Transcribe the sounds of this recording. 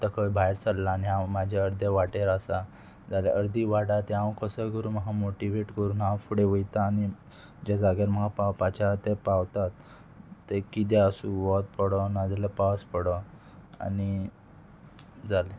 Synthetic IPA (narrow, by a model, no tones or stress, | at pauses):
t̪əkʰəʋibʱajɾt͡sallaːniɦãmad͡ʑʱaəɾd̪ʱeʋaʈeɾəsa | d͡zalḛʔəɾd̪iːʋaɽat̪eɦãwkəsəɡəɾuːməɦamoʈiʋeʈkəɾuːnɦãwfuɽeʋəjt̪aːni | d͡ʑad͡zaɡaɾm̤əɡapawpat͡ɕat̪epawt̪at̪ː | ekit̪eəsuʋɔt̪̚pəɽɔnad̪lepaspəɽɔ | a̰ni | d͡zale